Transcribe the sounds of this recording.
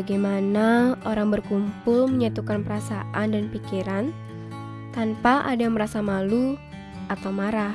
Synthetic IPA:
aɡamanaʔoɾaŋbərkumpʊlməɲat̪ukanpəɾasaʔandanpikiɾan | t̪anpaʔadajaŋməɾasamalu | ʔat̪awmaɾa

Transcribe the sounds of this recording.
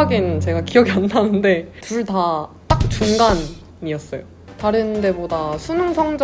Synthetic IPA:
aɡint͡ɕe̞ɡakijʌɡiandanɯnde̞tuɭtat͈ak̚t͡ɕuŋɡan | iʌs͈ʌjo | taɾɯnɯnde̞bodasʰunɯŋsʰʌŋd͡ʑ

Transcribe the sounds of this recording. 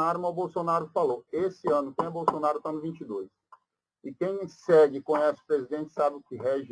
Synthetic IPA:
aɾʊmãwbowsonaɾʊfalowesɪɐ̃nʊkẽj̃ɛbowsonaɾʊt̪anʊvĩt͡ʃɪd̪ojs | ɪkẽj̃sɛɡɪkõɲɛsɪʊ̥pɾezid̪ẽnt͡ʃɪ̥sabɪʊkɪɦɛʒ

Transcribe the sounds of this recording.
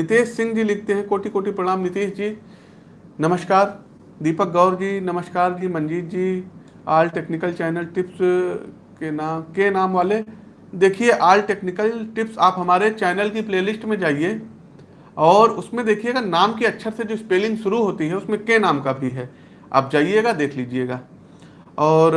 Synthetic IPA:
nɪt̪eːʃsɪ̃ŋɡd͡ʒiːlɪk̚ʰt̪eɦɛ̃koːʈikoːʈipɾoɽ̃aːmnɪt̪eːʃd͡ʒiː | nɐməʃkaːɾ | d̪iːpək̚ɡɔːɾd͡ʒiːnɐməʃkaːɾd͡ʒiːmɐ̃ɲd͡ʒiːt̪̚d͡ʒiː | aːlʈeːknɪkəlt͡ʃɛːnəlʈɪps | kenaːmkenaːmʋaːle | d̪eːkʰieʔaːlʈeːknɪkəlʈɪpsaːpɦɐmaːɾet͡ʃɛːnəlkipleːlɪsʈmẽd͡ʒaːie | ɔːɾʊsmẽd̪eːkʰieɡanaːmkiɐtːʃʰəɾsed͡ʒoːɪspeːlɪ̃ŋɡʃʊɾuɦoːt̪iɦɛʊsmẽkenaːmkabʱiɦɛː | ɐ̰b̚d͡ʒaːieɡad̪eːkʰliːd͡ʒieːɡaː | ɔːɾ

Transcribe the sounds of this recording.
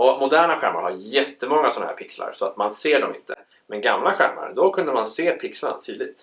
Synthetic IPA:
ɔmʊd̪æːɳaɧæɾma̰ɾhaɾjɛt̪ːəmɔŋːasɔnːahæ̰ːɾpʰɪksla̰ɾsɔat̪manseːɖɔmɪ̰nt̪ʰə | mɛnɡamːlaɧæ̰ɾma̰ɾd̪ɔkʰɵnd̪əmanseːpʰɪkslana̰t̪ʰyːd̪lɪt̪

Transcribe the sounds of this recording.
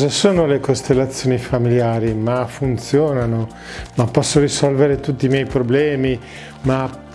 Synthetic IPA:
zasoːnolekost̪elːat̪sːjoːnifamiljaːɾimafunt̪sjoːnano | mapːɔsːoɾisɔlveɾet̪ut̪ːiːmjɛjpɾoblɛːmi | ma

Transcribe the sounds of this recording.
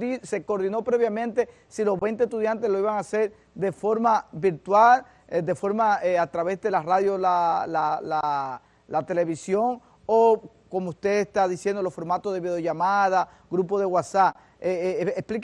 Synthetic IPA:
ise̞koɾðino̞pɾe̞βjamẽnt̪e̞ | silo̞zβe̞jnt̪est̪uðjant̪e̞sloiβaŋase̞ɾ | d̪e̞fo̞ɾmabiɾt̪wal | d̪e̞fo̞ɾmaeat̪ɾaβe̞zðe̞laraðjo̞lalala | lat̪e̞le̞βisjo̞ŋ | o | ko̞moust̪e̞est̪aðisje̞nd̪olofo̞ɾmat̪o̞zðe̞βið̞eo̞ʝamað̞a | ɡɾupoðe̞ɣwasap | eesplik

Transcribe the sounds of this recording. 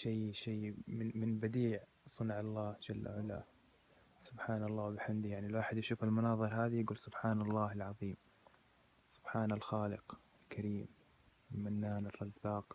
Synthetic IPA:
ʃajʃeːmɪmɪnbad̪iːʕ | sˤʊnʕɑlˤːɑːhd͡ʒalːa̰ʕʊla̰ː | sʊbħaːnɑlˤːɑːwbɪħamd̪jaʕnilwaːħɪd̪jaʃuːfɪlmʊnɑːðˤɑɾˤɦaːðijɡuːlsʊbħaːnɑlˤːɑːhɪlʕɑðˤiːm | sʊb̥ħaːnalxaːlɪq | ɪlkʰaɾiːm | ɪlmanːaːnɑrˤːɑzbɑːq

